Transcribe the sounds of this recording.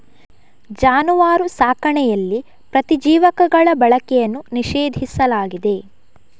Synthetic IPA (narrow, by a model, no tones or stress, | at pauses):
d͡ʒaːnuʋaːɾusaːkɐɳɛjɐlːi | pɾɐt̪id͡ʒiːʋɐkɐɡɐɭɐbɐɭɐkɛjɐnːuniʃeːd̪ʱisɐlaːɡid̪e̞